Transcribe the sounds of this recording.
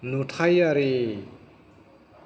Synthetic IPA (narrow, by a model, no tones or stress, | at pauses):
nutʰajaɾe